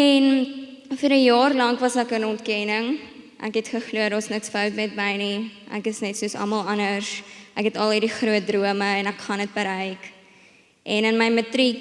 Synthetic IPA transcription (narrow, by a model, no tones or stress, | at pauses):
ɛnfəɾəjɑːrlɐŋkvɐsækənɔntkɛnəŋ | ʔæ̰kɦɛtχəχluədɑːsnəksfœwtmɛtməjniʔæ̰kəsnɛtsuəsɐ̰mɐlˠɐnərsʔækɛtɐlˠirdiχruət̚druəməɛnækχɐnət̚bəɾɛjk | ʔɛnənməjmətɾik